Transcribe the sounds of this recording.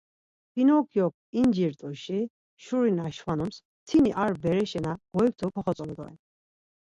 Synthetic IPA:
pinɔkʰjɔk̚ʰ | ind͡ʒiɾt̪ʼuʃi | ʃuɾinaʃwanɔms | t̪ʰiniʔaɾbɛɾɛʃɛnaɡ̥ɔjk̚t̪ʰɔkʰɔχɔt͡s̪ʼɔlɔd̪ɔɛ̰n

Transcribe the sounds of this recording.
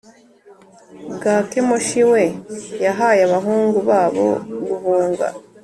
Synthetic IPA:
bɡakemoʃiwe̞jaɦajaβaɦuːŋɡuβaːβo̞̰ɡuvuːŋɡa̰

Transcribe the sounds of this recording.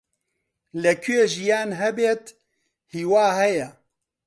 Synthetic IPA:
lɛkʰyjeːʒijaːnɦɛbeːt̪ | hiːwaːhɛjɛ

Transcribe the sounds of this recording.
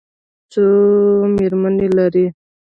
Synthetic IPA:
t͡someɾmanelaɾi

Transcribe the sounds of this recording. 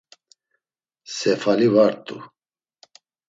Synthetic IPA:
sɛfalivaɾt̪ʼṵ

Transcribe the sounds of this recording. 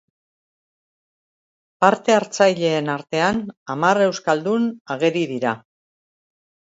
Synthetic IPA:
paɾt̪e̞aɾt͡sajʎe̞ːnaɾt̪e̞anamare̞wskald̪unaɣ̞e̞ɾiðiɾa

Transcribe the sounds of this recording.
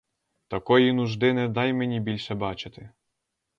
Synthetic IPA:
t̪ɐkɔjinuʒd̪ɪnɛd̪ɑjmenʲibʲilʲʃɛbɑt͡ʃɪt̪ɪ

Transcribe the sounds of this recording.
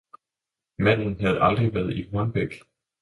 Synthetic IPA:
mæn̰n̩ɦæð̞̩ˠɑ̈ld̥ʁiʋæɐð̞ˠihɒnb̥eɡ̥

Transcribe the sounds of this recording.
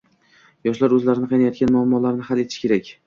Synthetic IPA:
jɒʃlaɾɵzlaɾɪnɪqʰɑjnajɒt̪ɡʲanmʊamːɒlaɾnɪhalet̪ʰɪ̥ʃkʲʰe̞ɾakʲ

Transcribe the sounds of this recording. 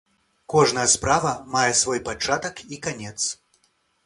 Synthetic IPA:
kɔʐnɐjɐspɾavɐmajɛsvɔjpat͡ʂat̪ɐkikanʲɛt̪s

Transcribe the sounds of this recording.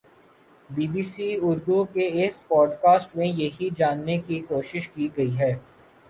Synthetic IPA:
biːbiːsiːʊɾd̪ukeɪspɔːɖkaːsʈmẽjɐɦid͡ʒaːnːekikoːʃɪʃkiɡɐiɦɛː

